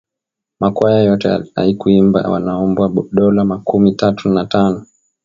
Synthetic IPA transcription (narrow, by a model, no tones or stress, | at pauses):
makwajajɔtɛ̰a̰ikuimba̰wa̰naɔmbwaɗɔlamakumitatunatanɔ